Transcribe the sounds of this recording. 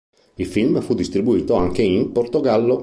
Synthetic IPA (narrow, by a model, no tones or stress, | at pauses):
ilfilmfud̪ːist̪ɾibuiːt̪oaŋk̟eimport̪oɡalːo